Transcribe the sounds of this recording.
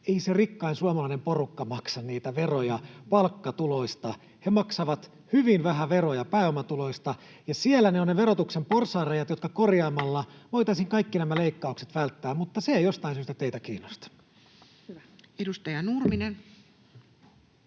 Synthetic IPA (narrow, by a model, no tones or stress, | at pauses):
eiserikːɑinsuɑmɑlɑinemporukːɑmɑksɑnniːt̪æʋerojɑpɑlkːɑt̪uloist̪ɑ | hemɑksɑʋɑt̪ | hyʋinʋæɦæʋerojɑpæːomɑt̪ulo̞ist̪ɑ | jɑsielːæneonneʋeɾot̪uksemporsɑːrejɑt̪jot̪kɑkorjɑːmɑlːɑʋojt̪ɑisiŋkɑikːinæmæleikːɑukset̪ʋælt̪ːæːmmut̪ːɑseejost̪ɑinsyːst̪æt̪eit̪ækiːnːost̪ɑ̥ | edust̪ɑjɑnurminen